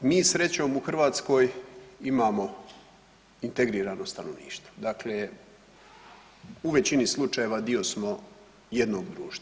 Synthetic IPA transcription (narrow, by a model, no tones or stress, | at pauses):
miːsɾe̞t͡ɕo̞ːmuxrʋaːt̪sko̞ːjimaːmo̞ | int̪e̞ɡɾiːɾaːno̞st̪anoʋnḭːʃt̪ʋo̥d̪akle | uʋe̞t͡ɕinislˠut͡ʃaje̞ʋad̪io̞smo̞ | jed̪no̞ːɡd̪ɾuːʃt̪a